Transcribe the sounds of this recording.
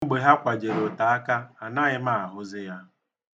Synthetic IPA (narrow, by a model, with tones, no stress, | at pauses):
ɡ͡be˨ɦa˦kʷa˨d͡ʒe˨ɾo˨ta˨a˦ka˦a˨na˦ɣɪ˦ma˦˨a˨ɦʊ˦zɪ˦ja˦